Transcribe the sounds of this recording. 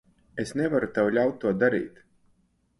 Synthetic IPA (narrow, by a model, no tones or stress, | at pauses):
esnɛvaɾut̪awlʲawt̪̚ːuɔd̪aɾḭːt̪